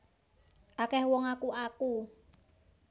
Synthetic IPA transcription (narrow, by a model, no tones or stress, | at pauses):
ʔakɛhwɔŋakuaku